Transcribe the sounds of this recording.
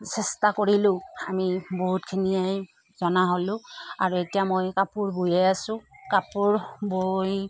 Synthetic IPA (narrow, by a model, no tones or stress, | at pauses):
sɛstakoɹilʊ̃amiboɦutkʰinijaj | zɔnaɦolʊ̃a̰ɹuetijamojkapuɹbujɛjasʊ̃kapuɹboj